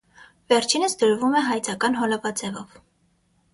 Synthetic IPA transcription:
vɛɾt͡ʃʰinəsd̪əɾvumɛɦɑjt͡sʰɑkɑnɦɔlɑvɑd͡zɛvɔv

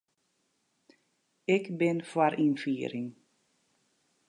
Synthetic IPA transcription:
ɪkbɪnfwaɾʔinfiːɾɪŋ

